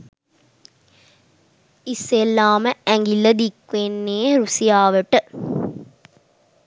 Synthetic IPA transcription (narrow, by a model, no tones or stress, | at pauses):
isːelːaːməæŋɡilːɐd̪ikʋenːeːɾusijaːʋəʈɨ